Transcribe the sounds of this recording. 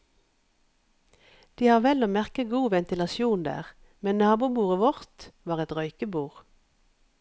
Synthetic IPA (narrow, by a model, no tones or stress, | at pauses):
d̪̥iːhɑːʁʋɛloːmæʁkəɡuːʋɛnt̪ɪlɑsjuːnd̪æ̰ːʁ | mɛnnɑːbuːbuːʁəʋɔʁt̪ʋɑːʁɛt̪ʁœʏkəbuːʁ